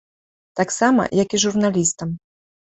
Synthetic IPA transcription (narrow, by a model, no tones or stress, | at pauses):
t̪aksamɐ̰jɐkiʐurnalʲist̪ɐm